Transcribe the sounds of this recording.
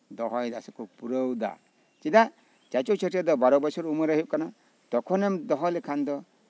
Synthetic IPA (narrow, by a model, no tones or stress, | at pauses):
d̪ɔɦɔjd̪asɔkɔpuɾəwd̪a̰ | t͡ʃida | t͡ʃat͡ʃɔt͡ʃʰəʈʰɔd̪ɔbaɾɔbɔsɔɾuməɾeɦip̚kana | t̪ɔkʰɔnɛmd̪ɔɦɔlɛkʰand̪ɔ